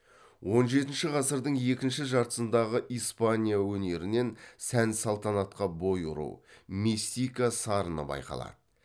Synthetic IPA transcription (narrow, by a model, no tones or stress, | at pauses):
wo̞nʒe̞t̪ɪnʃɪʁɑsəɾd̪əɴe̞kʲɪnʃɪʒɑɾt̪ə̥sənd̪ɑʁəʔijspanʲijawɵne̞ɾɪne̞nsænsɑlˠt̪ɑnɑt̪qɑbo̞jṵɾṵwmisʲijkasɑɾənə̰bɑ̰jqɑ̰lˠɑ̰d̪̥ə